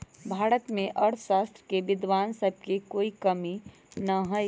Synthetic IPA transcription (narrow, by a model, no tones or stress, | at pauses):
bʱaːɾət̪mẽʔɐɾʰʃaːst̪ɾəkeʋɪd̪ʋaːnsəb̚kikoːikɐmi | nɐɦo